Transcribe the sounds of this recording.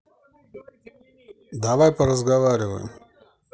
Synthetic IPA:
d̪aʋajpɐɾɐzɡaʋaɾʲɪʋɐ̰j̰m

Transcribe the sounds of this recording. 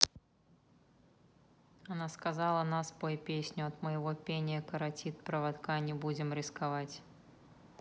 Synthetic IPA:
anaskazalˠɐnaspojpʲesʲnʲʊɐt̪mɨjɪvɔpʲenʲɪjəkɐɾat͡sʲit̪̚pɾɐvat̪kanʲɛbud͡zʲɪmɾʲɪskavat͡sʲ

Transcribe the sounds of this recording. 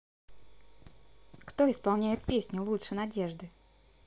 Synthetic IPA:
kt̪o̞ɪspɐlˠnʲæjɪt̪̚pʲesʲnʲʊlˠutʂɨnɐdʲeʐd̪ɨ

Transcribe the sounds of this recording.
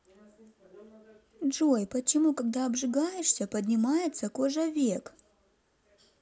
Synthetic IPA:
ʐojpət͡ɕɪmukɐɡ̚d̪aɐbʐɨɡajɪʂsʲəpədʲnʲɪmajɪt̪səkoʐəvʲek

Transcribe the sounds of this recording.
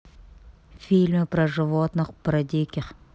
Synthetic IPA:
fʲilʲmɨpɾɐʐɨvot̪nɨχpɾɐd̪ʲikʲɪχ

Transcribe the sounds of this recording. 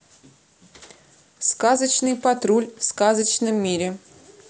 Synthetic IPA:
skazət͡ɕnɨjpɐt̪ɾulʲfskazət͡ɕnɨmːʲiɾʲɪ

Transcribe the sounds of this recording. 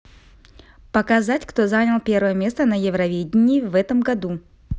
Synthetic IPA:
pəkɐzatʲkt̪o̞zanʲəlˠpʲe̞rvəjəmʲe̞st̪ənəjɪvɾɐvʲedʲɪnʲɪːvɛt̪əmɡɐd̪u

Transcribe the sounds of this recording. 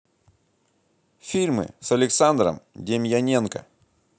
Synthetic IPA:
fʲilʲmɨ̰sɐlʲɪksand̪ɾə̰mdʲemʲjɐnʲenkə̰

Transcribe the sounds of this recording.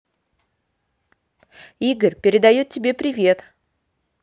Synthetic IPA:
iɡərʲpʲɪɾʲɪd̪ajut̪̚ʲtʲːɪbʲe̞pɾʲɪvʲe̞t̪

